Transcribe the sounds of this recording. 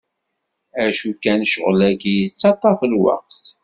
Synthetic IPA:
æʃukænʃəʁəlækijət͡sːɑt̪ˤːɑfəlwɑ̰q̚θ

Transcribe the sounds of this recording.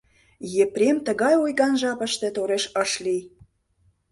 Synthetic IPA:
jepɾʲemt̪ə̆ɣɑjojɣɑnʒɑpə̆ʃt̪ĕt̪oɾeʃəʃli

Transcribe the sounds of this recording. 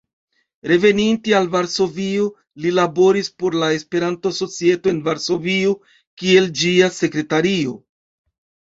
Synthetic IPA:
ɾe̞ve̞nintialvaɾso̞vio | lilabo̞ɾispo̞ɾlae̞spe̞ɾanto̞so̞t͡sie̞toenvaɾso̞vio | kie̞ld͡ʒiase̞kɾe̞taɾio̞

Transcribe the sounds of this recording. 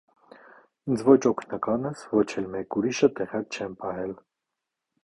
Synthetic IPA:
ind͡zvɔt͡ʃʰɔkʰnɑkɑnɛsvɔt͡ʃʰɛlmɛkuɾiʃət̪ɛʁjɑkt͡ʃʰɛnpɑɦɛl

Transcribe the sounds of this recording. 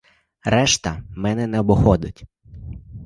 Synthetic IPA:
rɛʃt̪ɐmɛnɛnɛɔbɔxɔd̪ɪtʲ

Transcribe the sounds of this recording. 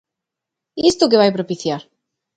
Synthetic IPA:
ist̪uk̬eβajpɾopiθjaɾ

